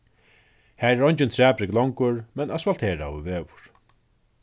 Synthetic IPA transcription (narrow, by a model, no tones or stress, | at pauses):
hæːɾɛɾɔɲt͡ʃɪnt̪ʰɹɛːpɾɪklɔŋkʊɹmɛnasvalt̪ʰeːɹa̰uveːvʊ̥ɹ̥